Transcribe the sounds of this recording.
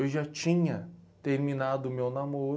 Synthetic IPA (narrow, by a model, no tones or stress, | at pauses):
ewʒat͡ʃĩɲɐt̪eɾmĩnad̪ʊmewnamoɾ